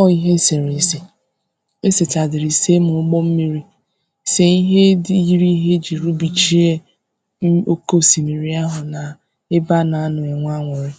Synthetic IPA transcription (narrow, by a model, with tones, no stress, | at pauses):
ɔ˦i˦ɦe˦se˨ɾe˨se˨ | e˦se˨ta˨dɪ˨ɾi˨se˦mʊ˨ʊ˦ɡ͡bɔ˦m̩˦mi˦ɾi˦ | se˦i˦ɦe˦dji˦ɾi˦ɦe˦d͡ʒi˨ɾu˦bi˨t͡ʃi˦e˦ | o˦ko˦˨si˨mi˨ɾi˦a˦ɦʊ˨na˨ | ɪ˦ba˦na˨a˦nʊ˨e˨ŋʷ˦a˦ŋʷʊ˨ɾɪ˦